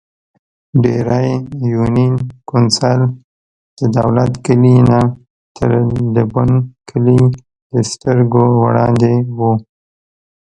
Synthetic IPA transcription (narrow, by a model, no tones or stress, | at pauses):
ɖeɾajjuninkʊnsal | d̪̥əd̪a̰wlat̪kəlina | t̪ʰə̰ɾd̪əbʊnkʰəli | d̪̥əst̪əɾɡowɽɑnd̪ewu